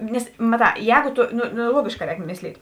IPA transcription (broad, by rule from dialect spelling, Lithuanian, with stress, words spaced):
ˈnʲɛs mɐˈtɑː ˈjɛːɡʊ ˈtʊ ˈnoː ˈnoː ˈlˠuɔɡʲeːʃˌkɑː ˈrʲɛːk ˈmʲɪsʲˌlʲiːtʲ